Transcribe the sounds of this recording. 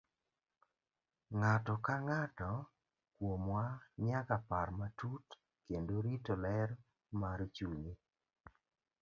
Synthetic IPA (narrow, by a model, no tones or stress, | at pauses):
ŋatɔkaŋatɔ | kwomwaɲakapaɾmatut | kendoɾitɔlɛr | maɾt͡ʃuɲi